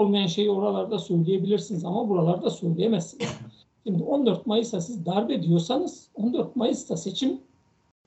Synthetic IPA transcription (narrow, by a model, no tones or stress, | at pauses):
olˠmajanʃe̞jio̞ɾalˠaɾd̪asø̞jlʲije̞bilʲiɾsinizamabuɾalˠaɾd̪asø̞jlʲejemɛsiniz̥ | ʃimd̪io̞nd̪øɾt̪̚majɯsd̪asizd̪aɾbe̞d̪ijo̞ɾsanɯz̥o̞nd̪øɾt̪̚majɯsd̪ase̞t͡ʃʰim